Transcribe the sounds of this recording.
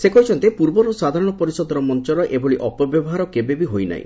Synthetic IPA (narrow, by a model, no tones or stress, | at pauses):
sekɔit͡ʃʰɔnt̪epuɾbɔɾusad̪ʱaɾɔɽ̃ɔpɔɾisɔd̪ɔɾɔmɔnt͡ʃɔɾɔʔeboɭiʔɔpɔbjɔbɔɦaɾɔkebebiɦojna̰ḭ̃